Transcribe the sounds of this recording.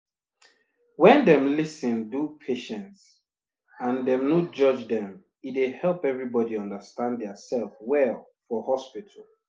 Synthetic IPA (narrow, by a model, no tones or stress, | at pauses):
wɛ̃ndɛ̃mlisə̃ndupʰeʃɛ̃nts | ãndɛ̃mnod͡ʒʌd͡ʒdɛ̃m | idehɛlˠpɛvɹibɔdiɔ̃ndəstãnddɛəsɛlˠfwɛlˠ | fɔhɔspitʰəl